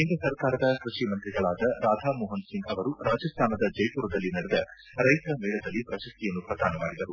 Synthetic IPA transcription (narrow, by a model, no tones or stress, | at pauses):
ind̪ɾɐsɐɾkaːɾɐd̪ɐkɾuʃimɐnt̪ɾiɡɐɭaːd̪ɐɾaːd̪ʱaːmɔːɦɐnsiŋɡɐʋɐɾuɾaːd͡ʒɐst̪ʰaːnɐd̪ɐd͡ʒɐjʈuːɾɐd̪ɐlːinɐɽɛd̪ɐ | ɾɐjt̪ɐɾɐmɛːɭɐd̪ɐlːipɾɐʃɐst̪ijɐnːupɾɐd̪ʱa̰ːnɐmaːɽid̪ɐɾu